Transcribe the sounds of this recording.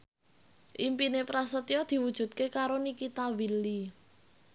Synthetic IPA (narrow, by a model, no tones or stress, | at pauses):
ʔimpinepɾasət̪ijɔd̪̥i̤wud̥ʒ̥ṳt̪̚kekaɾonikit̪awilːi